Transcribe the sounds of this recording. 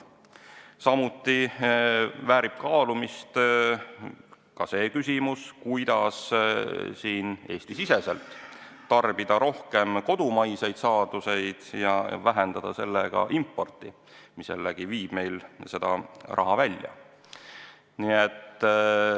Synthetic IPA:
sɑmut̪ːˑi | væːɾip̚kɑːlumist̪ | kɑse̞ːkysʲimuskujd̪̥ɑs | siːne̞ːsʲt̪isise̞se̞lt̪ː | ɑrb̥id̪ɑɾo̞hke̞mko̞d̪̥umɑjse̞jd̪sɑːd̪̥use̞jd̪̥jɑvæɦend̪̥ɑd̪̥ɑse̞lːeɡ̥ɑ̰ʔimpːo̞rt̪ːˑi | misḛlːeɡ̥iviːb̥me̞jlse̞d̪̥ɑ̰rʔɑ̰ɦɑvælʲjɑ̰ | niet̪ː

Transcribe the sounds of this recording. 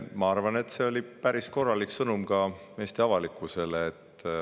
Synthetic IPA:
mɑɑrvɑne̞t̪ːse̞olʲipæɾisko̞rːɑliksɤnumɡɑme̞ːst̪e̞ɑvɑlikːˑuse̞leːt̪ː

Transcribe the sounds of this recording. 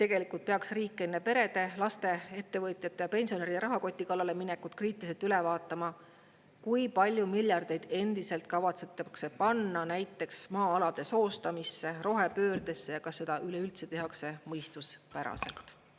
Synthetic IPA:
t̪eɡ̥e̞likult̪̚pe̞ɑksriːkːˑenːepe̞ɾe̞d̪e̞lɑst̪e̞e̞t̪ːe̞vɤt̪ʲˑjɑt̪ːˑe̞jɑpe̞nsio̞neɾid̪̥ɾɑɦɑko̞t̪ʲːˑikɑlːɑle̞minekːˑut̪̚kriːt̪ːˑiliselt̪ylevɑːt̪ːˑɑmɑ | kujpɑlʲjumilʲjɑrd̪̥e̞jd̪̥e̞nd̪̥ise̞lt̪̚kɑvɑt̪set̪ːɑkse̞pɑnːɑnæjt̪ːˑe̞ksmɑːɑlɑd̪̥e̞so̞ːst̪ɑmisːe̞ro̞ɦe̞pø̞ːrd̪e̞sːejɑkɑsːe̞d̪ɑʔyleylt̪se̞t̪e̞ɦɑkse̞mɤjst̪uspæɾɑ̰se̞̰lt̪ˑ

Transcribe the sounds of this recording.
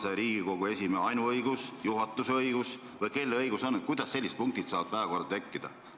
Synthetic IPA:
seɾiːɡ̥iko̞ɡ̥ue̞simeɑjnuɤjɡusjuɦɑt̪ˑːusɤjɡ̥us | vɤjke̞lːeɤjɡ̥uso̞nkujd̪̥ɑsːe̞lːist̪̚puŋkt̪it̪sɑːd̪̚pæːvɑko̞rd̪ɑt̪e̞kːid̪̥ɑ̰

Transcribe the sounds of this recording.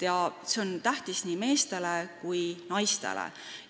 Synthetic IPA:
jɑseont̪æht̪isniːme̞ːst̪e̞lekujnɑjst̪e̞̰lḛ

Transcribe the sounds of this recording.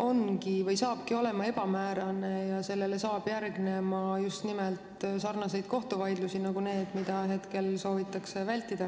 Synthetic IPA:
o̞nkivɤjsɑːb̥kio̞le̞mɑe̞b̥ɑmæːɾɑne̞jɑse̞lːe̞le̞sɑːb̥jærɡne̞mɑjust̪nimelt̪sɑrnɑse̞jd̪̥̚ko̞ht̪uvɑjd̪lusinɑɡune̞ːd̪̥mid̪̥ɑɦe̞t̪ke̞lso̞ːvit̪ːˑɑkse̞vælʲt̪ːid̪̥ɑ

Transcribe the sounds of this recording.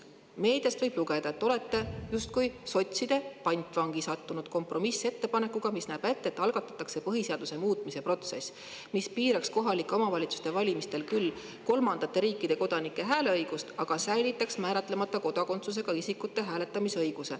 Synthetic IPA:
me̞ːd̪̥jɑst̪vɤjb̥luɡe̞d̪ɑet̪ːˑo̞le̞t̪ːe̞just̪̚kujso̞t̪ʲsid̪̥e̞pɑjnʲt̪ːˑvɑŋɡ̥isɑt̪ːunud̪̥̚ko̞mpro̞mise̞t̪ːe̞pɑne̞kːˑuɡ̥ɑmisnæːb̥e̞t̪ːeet̪ːˑɑlɡ̥ɑt̪ːˑɑ̥t̪ːˑɑkse̞pɤɦise̞ɑd̪̥use̞muːt̪ˑmise̞pro̞t̪se̞̰s | mispiːɾɑksko̞ɦɑlikːˑomɑvɑlʲit̪su̥st̪e̞vɑlʲimist̪e̞lkylː | ko̞lmɑnd̪̥ɑt̪ːe̞ɾiːkːˑid̪̥e̞ko̞d̪̥ɑnikːˑe̞ɦæːle̞ɤjɡ̥ust̪ɑɡ̥ɑsæjlit̪ːˑɑksmæːɾɑt̪ːˑle̞mɑt̪ːɑko̞d̪̥ɑko̞nt̪sus̬e̞ɡ̥ɑisikːˑut̪ːe̞ɦæːle̞t̪ːˑɑmisɤ̞jɡ̥use̞

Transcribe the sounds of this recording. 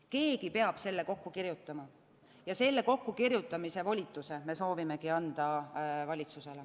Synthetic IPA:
ke̞ːɡipe̞ɑb̥se̞lːe̞ko̞kːukirjut̪ːˑɑmɑ | jɑse̞lːe̞ko̞kːukirjut̪ːˑɑmise̞volʲit̪ːˑuse̞me̞so̞ːvime̞kiɑnd̪̥ɑvɑlʲit̪suse̞le

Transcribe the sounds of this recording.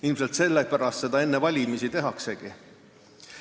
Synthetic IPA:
ilmse̞lt̪se̞lːepæɾɑst̪se̞d̪ɑe̞nːevɑlʲimisit̪e̞ɦɑkse̞ɡ̥i

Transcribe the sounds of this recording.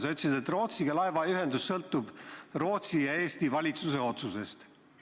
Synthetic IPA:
sɑyt̪sid̪et̪ro̞ːt̪siɡɑlɑevɑyɦe̞nd̪usːɤlt̪ːˑub̥ro̞ːt̪sijɑe̞ːst̪ivɑlʲit̪suse̞o̞t̪suse̞st̪

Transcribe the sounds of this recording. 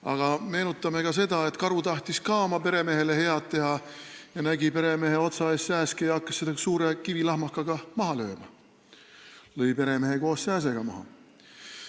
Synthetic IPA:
ɑɡ̥ɑme̞ːnut̪ːˑɑme̞kɑs̬e̞d̪ɑet̪kɑɾut̪ɑht̪iskɑomɑpe̞ɾe̞me̞ɦe̞le̞he̞ɑt̪ːe̞hɑ | jɑnæɡipe̞ɾe̞me̞ɦeo̞t̪sɑeːssæːskijɑɑkːˑɑ̥sːed̪ɑsuːɾekivilɑhmɑkːɑɡ̥ɑmɑɦɑlø̞ːmɑ̰ | lɤjpe̞ɾe̞me̞ɦeko̞ːssæːs̬e̞ɡ̥ɑmɑ̰hɑ̰

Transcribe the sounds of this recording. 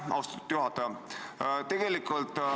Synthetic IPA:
ʔɑ̰wst̪ɑ̥t̪u̥t̪ːjuɦɑt̪ːɑ | t̪e̞ɡ̥e̞likːˑult̪ˑ

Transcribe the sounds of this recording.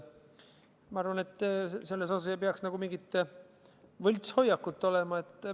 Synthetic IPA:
mɑɑɾvɑne̞t̪ːˑse̞lːesɑsɑsjɑpeɑksnɑɡ̥umiŋɡit̪ː | vɤlʲt̪sho̞jːɑkːut̪ˑːo̞lɛmɑe̞t̪ːˑ

